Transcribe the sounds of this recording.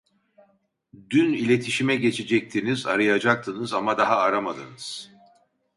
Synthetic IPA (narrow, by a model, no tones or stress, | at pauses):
d̪ynilʲe̞t̪ʰiʃimɛɟe̞t͡ʃʰed͡ʒɛc̚t̪ʰiniza̰ɾɯjad͡ʒak̚t̪ʰɯnɯzamad̪aɦaːɾamad̪ɯnɯz̥